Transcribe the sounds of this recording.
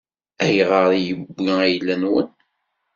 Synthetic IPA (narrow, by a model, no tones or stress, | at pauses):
æjʁəɾˤjəbːiæjlːænwə̰n